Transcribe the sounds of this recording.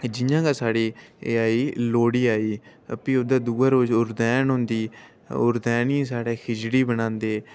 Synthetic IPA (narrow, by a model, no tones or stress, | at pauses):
d͡ʒɪjãːɡaːsaːɽiːeaːiːloːɽiːaːiː | əpĩːod̪ãːd̪uːaːɾoːd͡ʒʊɾd̪ɛːnɦʊ̃nd̪iː | ʊɾd̪ɛːnĩːsaːɽeːkʰɪd͡ʒɽiːbənãːnd̪eː